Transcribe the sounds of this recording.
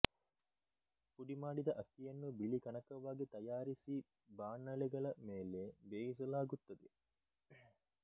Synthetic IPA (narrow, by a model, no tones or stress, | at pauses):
puɖimaːɖid̪ɐʔɐkijɐnːubilikɐnɐkɐʋːaːɡet̪ɐjaːɾisiː | baːnːɐleɡɐlɐmeːleːbeːisɐlaːɡut̪ːɐd̪e